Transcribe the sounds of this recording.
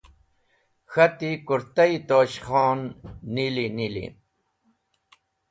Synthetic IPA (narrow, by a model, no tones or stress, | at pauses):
xat̪ikʊɾt̪ajt̪oːʃχɑːnːilinɪlḭ